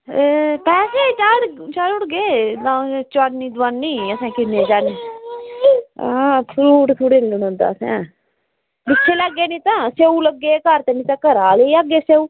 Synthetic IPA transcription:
pɛːseːt͡ʃaːɾt͡ʃaːlʊɽɡeːnãːt͡ʃʊaniːd̪aːnːiːəsɛ̃ːkɪnːẽːd͡ʒaːneː | apʰɾuːʈt̪ʰuːɽeːniʊnõːnd̪a̰ːsɛ̰̃ː | bɪt͡ʃʃʰeːlaɡːeːnĩːt̪ãːseːũːləɡːeːkəɾt̪eːnĩːt̪ãːkəɾaːleiaɡeːseːũː

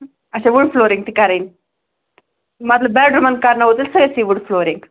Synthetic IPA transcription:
ɐt͡ɕʰaʋuɽfloːɾiŋɡ̚t̪ikaɾin | mɐt̪ləbbɛɖɾumənd̪̚kaɾnaɦot̪ilsəɡəjsiʋuɖfloɾiŋɡ

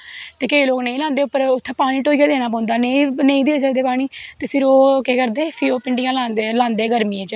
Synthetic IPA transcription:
t̪eːkəiːloːknẽĩːlãːnd̪eːʊpːəɾʊt̪ʰːẽːpaːɽ̃iːʈoːiːkaːd̪eːnaːpɔːʊ̃nd̪aːneĩneĩːd̪eːsaːd̪eːpaːɽ̃iːt̪eːpʰɪɾoːkeːkəɾd̪eːpʰɪoːpɪɳɖɪjãːlaːnd̪elãːnd̪eːɡəɾmĩːẽːt͡ʃ

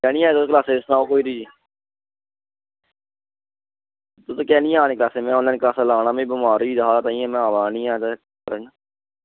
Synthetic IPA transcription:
kɛːnĩːaːet̪okəlaːseːɪsnãːoːkoːiːɾiːd͡ʒi | t̪ot̪oːkɛːnĩːaːneːklaːseːmɛ̃ːɔːlɛːnklaːsaːlaːnaːmẽːbɪmaːɾiːd̪ɦaːt̪aːĩːɛ̃ːmɛ̃aːʋaːnĩːaːt̪ekəɾən

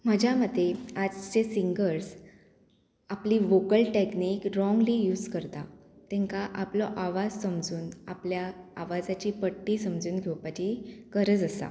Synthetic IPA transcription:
m̤əd͡ʑʱaməd̪ʱːead͡zt͡ɕesiŋɡəɾs | apliːʋokəlʈeknikɾɔŋɡlijuːd͡zkəɾt̪at̪ɛ̃ŋkaʔaplɔʔaʋad͡zsəmd͡zuːnapljaaʋad͡zat͡ɕiːpəʈːiːsəmd͡zuːnɡʱewpat͡ɕiːkəɾəd͡zəsa̰

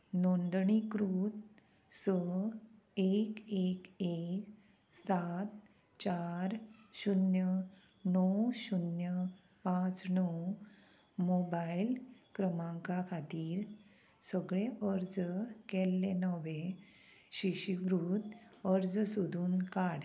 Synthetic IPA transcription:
nond̪ɳikɾuːt̪ | sə | ekekek | sat̪ | t͡ɕaɾɕunjə | nɔwɕunjə | pãt͡snɔw | mobailkɾəmãŋkakʰat̪iːɾ | səɡɭeʔəɾd͡zkɛlːenəʋẽ | ɕiɕiʋɾuːt̪əɾd͡zsud̪ʱuːnkaɽ

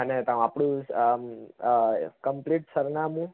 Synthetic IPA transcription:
ənet̪ãapɽ̃ũ | kəmpliʈsəɾnamũ

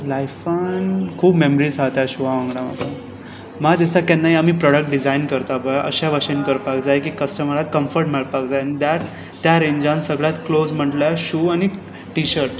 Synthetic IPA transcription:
lajfankʰuːbmeməɾizɦat̪jaɕuʋaʋãŋɡɽama̰ka | mad̪ist̪akɛnːaɦiamiːpɾɔɽək̚ʈ̚ɖid͡zainkəɾt̪abəjʔə̰ɕaʋəɕənkəɾpakd͡zajkiːkəsʈəməɾakəmfəɾʈmeɭpakd͡zajnid̪aʈ | t̪jaɾeɲd͡ʑãnsəɡɭjat̪klod͡zm̤əʈljaɕuːañi | ʈiɕəɾʈ

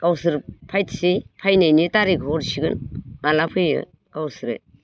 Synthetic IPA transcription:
kawsɯɾpʰajtʰsipʰajnajnitaɾiɡɔɾsiɡɯnŋalapʰɯjɯ̰ | kawsɯɾḛ

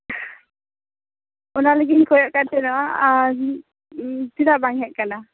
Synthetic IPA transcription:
ɔnaləɡinkɔjɔʔkant̪ɛnɔa | silaʔbaŋɛʔkana

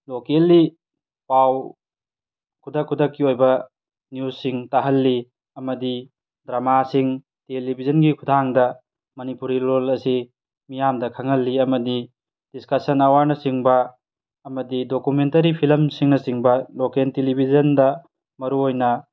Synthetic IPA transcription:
lokelːi | paw | kʰudɐkʰːudɐkːiojbɐ | njusːiŋtaɦɐlːi | ɐmɐdi | dɾamasiŋ | telibʱizɐnɡikʰudʱaŋdɐ | mɐnipuɾilolɐsi | mijamdɐkʰɐŋɐlːiɐmɐdi | d̥iskɐsɐnɐwaɾnɐsiŋbɐː | mɐdidokumentɐɾipʰilɐmsiŋnɐsiŋbɐlokentelibʱizɐndɐ | mɐɾuojnɐ

